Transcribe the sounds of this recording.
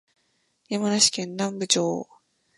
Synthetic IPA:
jamanaɕi̥kẽ̞nːãmbɯ̟t͡ɕoː

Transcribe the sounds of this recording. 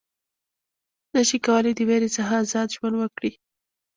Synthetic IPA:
nəʃikawəlajd̪əweɾesaɦaːzɑd̪ʒwand̪wəkɽi

